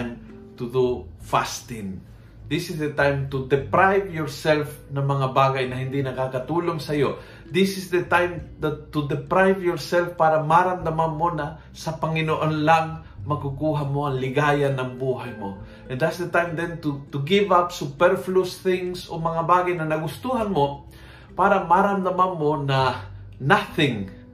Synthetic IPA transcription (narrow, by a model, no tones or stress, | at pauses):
m | t̪ud̪ufa̰st̪ɪn | d̪ɪsɪsd̪ɛt̪ajmt̪ud̪ɛpɾajvjɔɹsɛlfnɐmɐŋabaːɡajnɐɦɪnd̪inɐkakɐt̪uːloŋsɐjo | d̪ɪsɪsd̪ɛt̪ajmd̪ɐt̪ːud̪ɛpɾajvjɔɹsɛlfpaːɾɐmaɾand̪amanmonɐ | sɐpɐŋɪnoʔonlaŋ | mɐkukuːɦamoɐŋlɪɡaːjanɐŋbuːɦajmo̰ | ʔɛ̃nd̪atsd̪ət̪ajmd̪ɛnt̪ut̪uɡɪvapsupɛɾflusθɪŋsomɐŋabaːɡajnɐnɐɡʊst̪uɦanmo | paɾamaɾamd̪amanmona | naθɪŋ